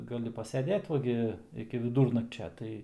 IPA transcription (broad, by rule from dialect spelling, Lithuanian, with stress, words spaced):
ɡɐˈlʲɪ pɐsʲɛˈdʲeːt ˈʋɐ ɡʲɪ ɪkʲɪ ʋʲɪˈduːrnɐkt͡ʃʲɛ ˈtɐɪ